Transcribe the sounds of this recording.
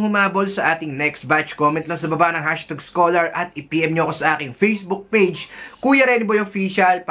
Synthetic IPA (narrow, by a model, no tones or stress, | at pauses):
ŋhʊmaːbolsɐʔaːt̪ɪŋnɛksbat͡ʃkoːmɛ̃nt̪lɐŋsɐbɐbaʔnɐŋɦaʃt̪aɡskoːlɐɹʔɐt̪̚ɪpiːʔɛmɲoɐko̞sɐʔaːkɪŋfejsbʊk̚pejd͡ʒkuːjɐɾɛnɪbojofiːʃɐlp